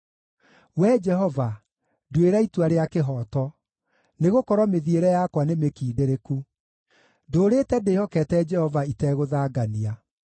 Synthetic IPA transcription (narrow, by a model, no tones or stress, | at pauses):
wɛd͡ʒɛɦɔva | dweɾaitwaɾeakeɦɔːtɔ | neɣokɔɾɔmeðieɾɛjakwanemekiːdeɾeku | doɾetɛdeːhɔkɛtɛd͡ʒɛhɔvaitɛɣoðaːɡania